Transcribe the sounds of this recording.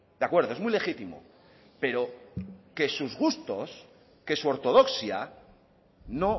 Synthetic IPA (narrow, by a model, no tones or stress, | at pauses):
d̪eakwe̞ɾðoe̞zmujle̞xit̪imo̰ | pe̞ɾo̞ke̞suzɣust̪o̞s | ke̞suoɾt̪o̞ð̞o̞ksja | no̞